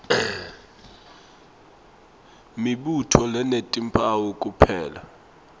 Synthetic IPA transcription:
miɓutʰɔlɛnetʼimpʼawokʼupʰɛːla

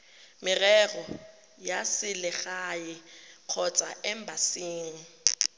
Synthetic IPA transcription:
mɪrɛrɔ | jasɪlɪɣajɪq͡χʰɔt͡sʼa̰ɛmbʱasiːŋŋ̩

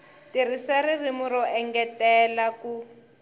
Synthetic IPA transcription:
tirisaririmuɾɔʔɛŋɡɛtɛlaku

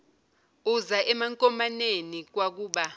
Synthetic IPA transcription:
uzaʔɛmaŋkʼɔmanenik̬wak̬uːɓa

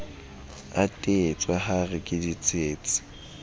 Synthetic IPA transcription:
atʼeːt͡sʼwaχarɪkʼɪdit͡sʼeːt͡sʼɪ̥

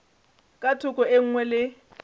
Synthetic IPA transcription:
kʼatʰʊkʼɔeŋ̩ŋwɛlɪ

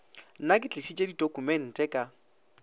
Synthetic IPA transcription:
nakʼɪt͡ɬʼɪsit͡ʃʼedidokumɛn̩tʼɛkʼa

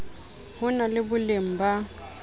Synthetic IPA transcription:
hʊnalɪbʊlem̩ba

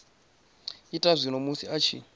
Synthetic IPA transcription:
itʼaʐʷinomusiat͡ʃʰḭ

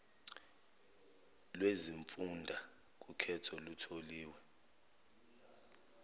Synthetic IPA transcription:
lweziɱfundʱa | k̬ʼukʰɛtʰɔlutʰoliːwɛ

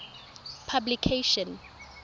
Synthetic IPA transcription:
pʰablikʰeʃɔ̃n

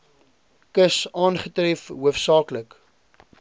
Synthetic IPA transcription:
kəsɑːnχətrɛfɦuəfsɑːklək

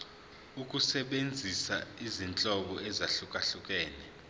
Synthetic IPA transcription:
uk̬ʼusɛɓend͡zʱisaizint͡ɬʼɔɓɔɛzaɬuk̬ʼaɬuk̬ʼɛːnɛ

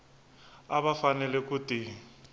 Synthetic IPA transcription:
aβafanɛlɛkuti

